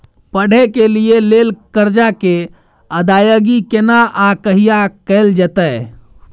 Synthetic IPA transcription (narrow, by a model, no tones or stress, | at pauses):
pəɽ̤ekelijelelkəɾd͡ʒake | əd̪ajəɡikenaʔakəɦijakəɪld͡ʒət̪ə